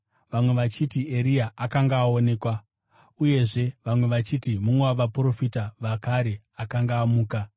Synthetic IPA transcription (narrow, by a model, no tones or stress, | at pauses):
ʋamwe̞ʋat͡ʃitiʔe̞ɾijaakaŋɡaːo̞ne̞ːkwa | uje̞ʐe̞ʋamwe̞ʋat͡ʃitimumweaʋapuro̞fitaʋakaɾe̞ | akaŋɡaːmuːka